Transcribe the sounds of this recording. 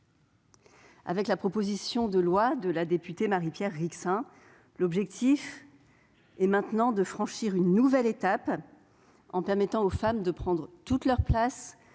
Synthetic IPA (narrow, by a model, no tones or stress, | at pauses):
a̰vɛklapχɔpozisjɔ̃d̪əlwad̪əlad̪epyt̪emaʁipjɛʁːiksɛ̃ | lɔbʒɛk̚t̪ʰif | ɛmɛ̃t̪nɑ̃d̪əfχɑ̃ʃiʁynːuvɛlet̪ap | ɑ̰̃pɛʁmɛt̪ɑ̃ofamd̪əpχɑ̃d̪ʁət̪ut̪lœʁplas